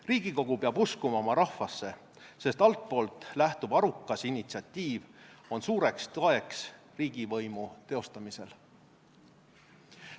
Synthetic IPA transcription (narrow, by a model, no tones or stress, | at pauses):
riːɡ̥iko̞ɡ̥upeɑbuskumɑo̞mɑɾɑhfɑsːe̞ | se̞st̪ɑlt̪̚po̞ːlt̪ˑlæht̪ub̥ɑɾukːˑɑsinːit̪siɑt̪ːiːvo̞nsuːɾe̞kst̪oe̞ks | riːɡ̥ivɤjmut̪e̞o̞st̪ɑmise̞̰l